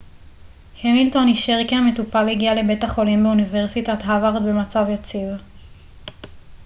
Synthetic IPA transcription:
hemilto̞niʃeʁkiame̞tupaleɡiale̞be̞taχo̞limbeuniveʁsitat̪ɦavaʁd̪be̞mat͡savjat͡siv

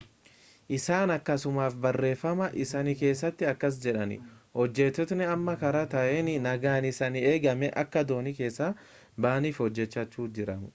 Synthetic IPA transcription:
ʔɪsaːnɐkːɐsʊmaːfbɐrːe̞ːfːɐmɐʔɪsɐnɪke̞ːsːɐt̪ːɪɐkːɐs̬d͡ʒɛᶑɐnɪ̰hɔd͡ʒːɛt̪ːɔt̪nɪɐmːɐkɐɾɐt̪ɐʔeːnɪnɐɡaːnɪsɐnɪeːɡɐmɛʔɐkːɐd̪o̞ːnɪke̞ːsːa | baːniːfhɔd͡ʒːɛt͡ʃːɐt͡ʃːuːd͡ʒɪɾɐmʊ

